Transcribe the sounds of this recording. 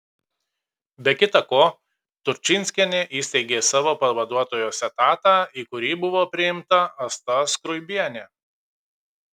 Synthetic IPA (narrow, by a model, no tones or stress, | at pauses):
bʲɛkʲɪt̪ɐkoː | t̪ʊɾʲt͡ʃʲɪnʲsʲkʲɛnʲeʔiːsʲt̪ʲɛɪɡʲeːsɑːʋoːpɐʋɐd̪uɔt̪oːjoːsʲɛt̪ɑːt̪ɑːiːkʊɾʲiːbʊʋoːpʲɾʲɪjɪmt̪ɐɐst̪ɐskɾʊɪbʲiɛnʲeː